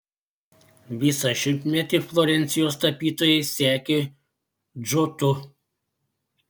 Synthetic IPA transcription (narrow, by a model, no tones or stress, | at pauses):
ʋʲiːsɐʃʲɪmʲpmʲɛt̪ʲiflˠɔɾʲɛnʲt̪sʲɪjoːst̪ɐpʲiːt̪oːjɛɪsʲæːkʲe | d͡ʒot̪ʊ